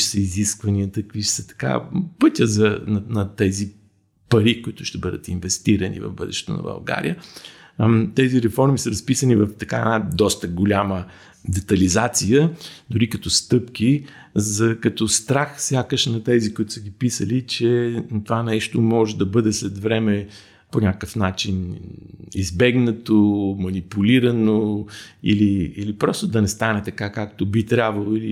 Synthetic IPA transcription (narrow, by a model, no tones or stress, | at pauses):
ʃsəiziskvɐniət̪əkviʃsət̪ɐ̥ka̰pɤt̪ʲəzɐnnɐt̪ɛzi | pɐɾikʊit̪ʊʃt̪ɛbɤd̪ə̰t̪invɛst̪iɾənḭvɐ̰vbɤd̪ɛ̰ʃɛ̥t̪o̰nɐ̰bɐ̰lˠɡa̰ɾḭjə | t̪ɛziɾɛfɔɾmisɐɾɐspisənivɐft̪ɐkaɛ̰nad̪ɔst̪əɡolʲamə | d̪ɛt̪ɐlizat̪sijəd̪oɾikɐt̪ɔst̪ɤpk̟ʲi | zɐkɐt̪ɔst̪ɾaxsʲjakəʃnɐt̪ɛzikoit̪ʊ̥səɡipisəlit͡ʃɛt̪ovanɛʃt̪omɔʒɛd̪ɐbɤd̪ɛslɛt̪vɾɛmɛ | ponʲakkəfnat͡ʃin | izbɛɡnɐt̪omɐnipuliɾɐnoḭliilipɾɔst̪od̪ɐnɛst̪anɛt̪ɐkakakt̪obit̪ɾʲabvɐlˠoili